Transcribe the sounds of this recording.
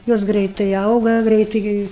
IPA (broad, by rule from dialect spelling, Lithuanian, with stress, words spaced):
ˈjoːs ˈɡrʲɛɪtɐɪ ˈɐʊɡɐ ˈɡrʲɛɪtɐɪ ˈɡʲɪ